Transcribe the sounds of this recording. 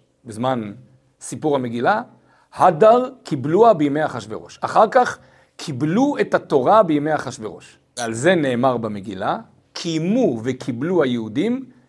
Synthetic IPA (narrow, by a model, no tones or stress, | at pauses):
bezman | sipuʁame̞ɡila | hadaʁkibluabejime̞jhaχaʃveʁo̞ʃaχaʁkaχ | kʰibluethato̞ʁabejime̞jhaχaʃve̞ʁoʃ | vealze̞ne̞ːmaʁbameɡila | kʰijmuvekʰibluhajeudim